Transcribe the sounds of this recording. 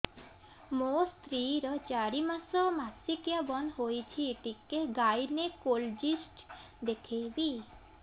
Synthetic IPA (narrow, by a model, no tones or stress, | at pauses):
most̪ɾiɾɔt͡ʃaɽimasɔmasikjabɔnɦojt͡ʃʰieʈikeɡajnekold͡ʒisʈ | d̪ekʰejbi